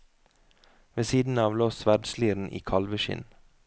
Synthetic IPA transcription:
ʋeːsiːd̪n̩ɑːʋloːsʋæɖsliːɾn̩ʔḭːkʰɑlʋəʃɪ̰n

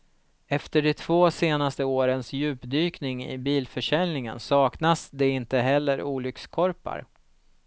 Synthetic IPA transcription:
ɛft̪əɖɛt̪ʰvoːseːnast̪əoːɾənsjʉ̟ːpd̪yːknɪŋɪ̰biːlfœʂɛlnɪŋə̰nsɑːknasd̪ɛɪnt̪əɦɛlːəɾuːlʏkskʰɔɾpa̰ɾ

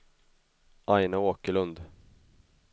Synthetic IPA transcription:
ʔajnaoːkəɭɵnd̪

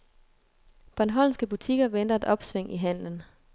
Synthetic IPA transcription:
b̥ɒɑnɦɒl̰sɡ̥əb̥ut͡sʰiɡ̥ɐʋen̰d̥ɐe̝d̥ɒ̽b̥sʋeŋ̰ʔiɦæn̰lən̩

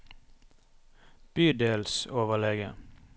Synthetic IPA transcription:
b̥yːd̪eːlsoːʋəlɛɡə̰

